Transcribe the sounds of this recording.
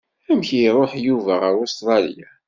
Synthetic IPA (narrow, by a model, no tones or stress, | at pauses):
æmçiɾˤoħjuvæʁəɾost̪ɾˤɑlja